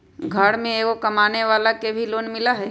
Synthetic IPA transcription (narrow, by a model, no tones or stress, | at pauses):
ɡʱɐɽmẽeːkokɐmaːneʋaːlakebʱiloːnmɪlaɦɛː